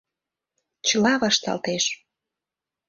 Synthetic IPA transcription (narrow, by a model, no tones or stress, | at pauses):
t͡ɕəlɑβɑʃt̪ɑ̰lt̪eʃ